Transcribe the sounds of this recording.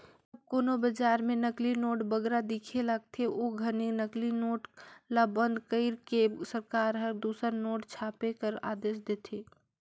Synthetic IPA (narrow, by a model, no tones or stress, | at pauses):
əb̚koːnobəd͡ʒaːɾmenəklinoːʈbəɡɾad̪ikʰelaɡ̚t̪ʰeʔoɡʱəninəklinoːʈlabə̃nd̪kəɪɾkesəɾkaːɾɦəɾd̪usəɾnoːʈt͡ʃʰaːpekəɾa̰d̪eːsd̪eːt̪ʰe